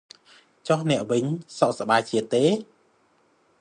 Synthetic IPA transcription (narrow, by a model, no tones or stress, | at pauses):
t͡ɕohnɛ̆əʔʋɨɲsɑʔsaɓaːjt͡ɕiət̪ːeː